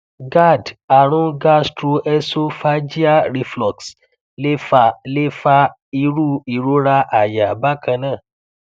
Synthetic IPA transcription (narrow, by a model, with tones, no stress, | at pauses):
ɡa˦˨da˨ɾ̃ũ˦ɡa˦˨stɾu˧ɛ˦˧so˦fa˦d͡ʒi˦a˦˨ɾi˧flɔ˨ks | le˦fa˨le˦fa˧˦ | i˧ɾu˦i˨ɾo˦ɾa˧ʔa˨ja˨a˨ba˦kʰã˧nãː˦˨